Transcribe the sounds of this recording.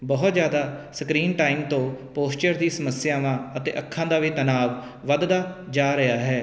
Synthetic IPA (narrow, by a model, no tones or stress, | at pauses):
bəɦt̪zjaːd̪aːsəkɾiːnʈaːiːmt̪õːpoːst͡ʃəɾd̪iːsəməsɪjaːʋãːət̪ḛːʔəkʰːãːd̪aːʋiːt̪ənaːʋ | ʋəd̪d̪aːd͡ʒaːɾəaːɦɛː